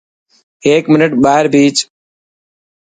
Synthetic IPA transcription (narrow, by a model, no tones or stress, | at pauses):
eːkmɪnəʈɓaːɪɾbʱiːt͡ʃ